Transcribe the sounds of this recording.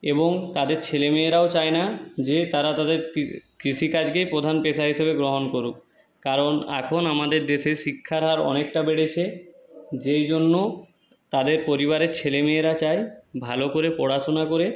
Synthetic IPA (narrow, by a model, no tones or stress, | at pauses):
eboŋt̪ad̪eɾt͡ɕʰelemieɾaot͡ɕajnad͡ʑet̪aɾat̪ad̪eɾkit͡ɕʰikad͡ʑɡejpɾod̪ʱanpeʃʰaɦiʃebeɡɾoɦonkoɾuk | kaɾonɛ̰kʰonamad̪eɾd̪eʃeʃikʰːaɾɦaɾɔ̰nek̚ʈabeɽeʃʰe | d͡ʑejd͡ʑonːo | t̪ad̪eɾpoɾiβaɾeɾt͡ɕʰelemieɾat͡ɕajbʱalokoɾepɔɽaʃonakoɾe